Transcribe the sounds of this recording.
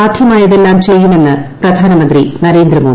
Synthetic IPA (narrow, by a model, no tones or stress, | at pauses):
aːd̪ʰʱjɐmaːjɐðe̞lːaːmt͡ɕe̞jːume̞nːɨprɐd̪ʱaːnɐmɐnd̪rinɐɾe̞ːnd̪ɾɐmo̞ː